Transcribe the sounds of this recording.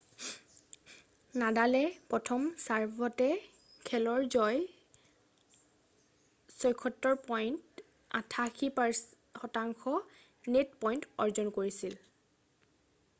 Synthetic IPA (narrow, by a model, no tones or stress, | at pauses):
nadalɛpɹɔtʰɔmsaɹbɔtɛ | kʰɛlɔɹzɔj | sɔjkʰɔtːɔɹpɔjnt | a̰tʰaxʰipaɹ | xɔtaŋxʰɔ | netpɔjntɔɹzɔnkoɹisil